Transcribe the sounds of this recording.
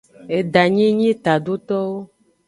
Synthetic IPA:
e˨ɖa˨ɲĩ˦ɲĩ˦t̪a˨ɖo˦t̪ɔ˦wo˦

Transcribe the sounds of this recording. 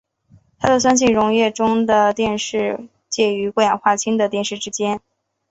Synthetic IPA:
t̪ʰa˥d̪ə˨swa˥nɕ̬i˥˩ŋɻʊ˧˥ŋjɛ˥˩ʈ͡ʂʊ˥ŋd̪ə˨t̪jɛ˥˧nʂɻ̩˥˩ | t͡ɕjɛ˥˩y˧˥kwɔ˥˩jɑ˨˩ŋxwa˥˩t͡ɕʰi˥ŋd̪ə˨t̪jɛ˥˧nʂɻ̩˥˩ʈ͡ʂɻ̩˥t͡ɕjɛ˥n

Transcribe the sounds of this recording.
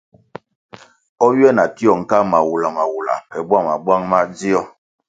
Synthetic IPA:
ɔ˦ɥjɛ˦˨na˨ki˦ɔ˨ŋ̩˨ka˦ma˨wu˨la˨ma˨wu˨la̰˨pɛ˨bwa˦ma˨bwa˦ŋma˦d͡zi˦ɔ˨

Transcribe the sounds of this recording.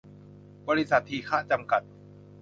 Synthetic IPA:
bɔː˧ɾi˦˥sa˨˩t̪ʰːiː˧˩kʰaː˦˥t͡ɕa˧mka˨˩t̪̚

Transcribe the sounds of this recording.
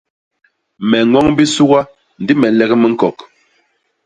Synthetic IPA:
mɛ˨ŋɔ˦ŋbi˦su˦ɣa˦ | n̩˨di˦mɛ˨n˦lɛ˦ɣɛ˦mi˦ŋ̩˦kɔ˨k

